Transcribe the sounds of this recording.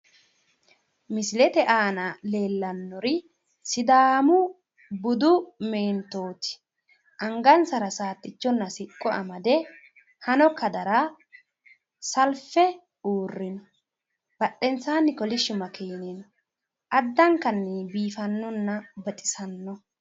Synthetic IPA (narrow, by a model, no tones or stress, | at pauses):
mɪsɪlɛt̪ɛʔaːnɐle̞ːlːɐnːɔɾɪ | sɪd̪aːmʊ | bʊd̪ʊmeːnt̪oːt̪ɪ̥ | ʔɐŋɡɐnsɐɾɐsaːt̪ːɪt͡ʃːɔnːɐsɪkʼːɔɐ̰mɐd̪ɛ | hɐnɔkɐd̪ɐɾa | sɐlfɛ | uːrːɪnɔ̥ | b̥ɐɗːɛnt͡sːaːnːɪkɔlɪʃʊmɐkʰeːnɪnɔ | ʔɐd̪ːɐŋkɐnːɪbiːfɐnːɔnːɐbɐt̪ʼɪ̥sɐnːɔ